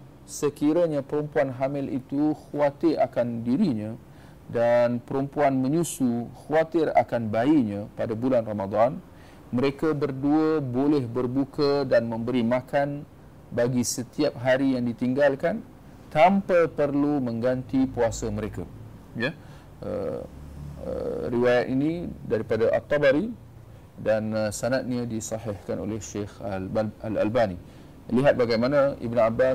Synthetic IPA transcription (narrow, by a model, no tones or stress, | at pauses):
səkiɾaɲãpəɾumpuanɦamɪlit̪uxuat̪ɪɾa̰kandiɾiɲã | danpəɾumpuanmə̃ɲusuxawat̪ɪra̰kanbaiɲãpadabulanramad̪an | məɾekabərduəbolɛhbərbukədanmə̃mbəɾimakan | baɡisət̪iap̚ɦaɾijaŋdit̪iŋɡalkan | t̪ampajpərlumə̃ŋɡant̪ipuasəməɾeka | jə | ʔə̰ | ə̰riwajat̪inĩdaɾipadaʔa̰t̪ːɑbaɾi | danəsanat̪̚ɲadisɑɦɪhkano̰lɛhʃexala̰lbani | liɦat̪̚baɡajmanãḭbnaba